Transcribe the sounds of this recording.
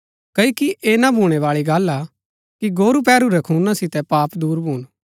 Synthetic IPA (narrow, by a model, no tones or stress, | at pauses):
kɐikiʔeːnabʱuːɽ̃eʋaːɭiɡɐːla | kiɡoːɾupɛːɾuɾɛkʰuːnãsɪt̪ɛpaːpd̪uːɾbʱuːɽ̃